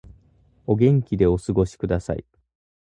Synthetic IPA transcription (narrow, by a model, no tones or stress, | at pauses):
o̞ɡʲẽ̞ŋkʲid̪e̞o̞sɨɡo̞ɕi̥kɯ̟d̪asa̰ḭ